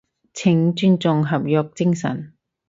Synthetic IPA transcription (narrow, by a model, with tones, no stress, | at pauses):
t͡sʰɪ˨˩ŋt͡ʃyː˥nt͡sʊ˨˧ŋɦɐ˨p̚jœː˨˧k̚t͡sɪ˥ŋsɐ̰˨˩n